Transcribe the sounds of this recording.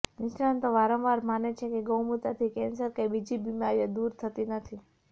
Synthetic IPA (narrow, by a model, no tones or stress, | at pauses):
nɪʃnant̪oʋaɾə̃mʋaɾmanet͡ʃʰekeɡəwmut̪at̪ʰikɛ̃nsəɾkabid͡ʒibimaɾjad̪uɾt̪ʰət̪inət̪ʰi